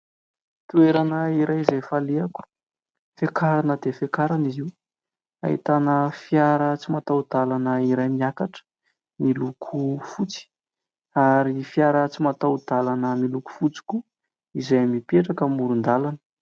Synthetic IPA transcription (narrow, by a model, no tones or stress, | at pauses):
t̪ueɾanəiɾʔajizajfaleaku̥ | fekaɾanəd̪efekaɾanizi | a̰ḭt̪anəfijaɾət͡simat̪awd̪alanəiɾajmiakaʈ͡ʂə̥ | milukʰufut͡si̥ | aɾifjaɾət͡simat̪awd̪alanəmiluku̥fut͡si̥kʲu | izajmipeʈ͡ʂakəmuɾund̪alanə̥